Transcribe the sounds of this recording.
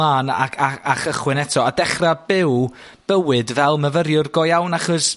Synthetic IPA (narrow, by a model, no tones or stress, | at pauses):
aːna̰kʰaaχəχwɪnɛtʰɔadɛχrabɪw | b̥əwɨdvɛlˠməvəɾjʊrɡɔjawnaχɔs